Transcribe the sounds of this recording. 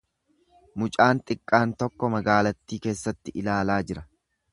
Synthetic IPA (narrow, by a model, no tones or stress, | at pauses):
mʊt͡ʃʼaːnt̪ʼɪkʼːaːnt̪ɔkːɔmɐɡaːlɐt̪ːiːke̞ːsːɐt̪ːɪʔɪlaːlaːd͡ʒɪɾɐ